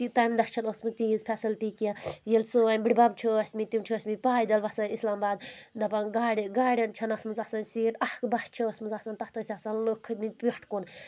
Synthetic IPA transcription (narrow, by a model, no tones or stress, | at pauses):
t̪it̪amd̪ɐst͡ʃʰɐnosmɨt̪iːzpʰʲɛsilʈiːkajelʲsɨɐnʲbɽʲibɐbt͡ʃʰoɐsʲmit̪imt͡ʃʰuɐsʲmipaːjd̪ɐlʋɐsɐnislaːmbaːd̪̚d̪ɐpɐnɡaːɽʲiɡaːɽʲjɐnt͡ʃʰɐnɐsmɨzasɐnsiːʈɐhkbɐst͡ʃʰiosmɨzasɐnt̪ɐht̪osʲasɐnlokʰːɨt̪min̚ʲpʲiʈʰkun